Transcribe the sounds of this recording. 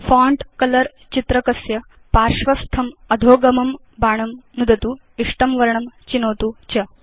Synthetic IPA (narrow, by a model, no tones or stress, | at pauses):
faːɳʈkɐlɐɾ | t͡ɕit̪ɾɐkɐsjɐ | paːɾʃʋɐst̪ʰɐmɐd̪ʱoːɡɐmɐm | baːɳɐmnud̪ʱɐt̪uː | iʂʈɐmʋɐɾɳɐmt͡ɕinoːt̪uːt͡ɕɐ